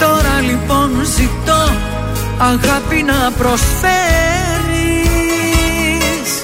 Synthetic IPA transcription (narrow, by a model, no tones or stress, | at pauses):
t̪o̞ɾɐlipo̞nzit̪o | ɐɣɐpinɐpɾo̞sfe | ɾi | s